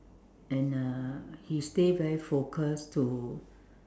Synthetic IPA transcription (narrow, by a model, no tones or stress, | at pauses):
ɛ̃nahistedvɛɹifokʰəstʰu